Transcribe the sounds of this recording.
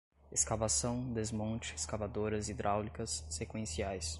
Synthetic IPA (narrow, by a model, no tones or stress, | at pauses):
eskavasɐ̃w̃d̪ezmõt͡ʃɪeskavad̪oɾɐzid̪ɾʔawlikɐsːekwẽsiajs